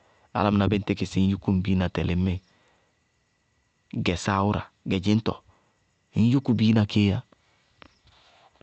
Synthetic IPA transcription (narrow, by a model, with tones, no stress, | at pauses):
a̰˨la˦m˨na˨bɪ˦n̩˦te˦kɪ˨si˨˦ju˦ku˦m˨bi˦na˨tɛ˨lɪ˨˦me˦ | ɡɛ˨sa˦˨˦wu˦ɾa̰˨ | ɡɛ˨d͡ʒɪ˦n˦tɔ̰˨ | i˦n˦ju˦ku˨biː˦na˨ke˦ja˦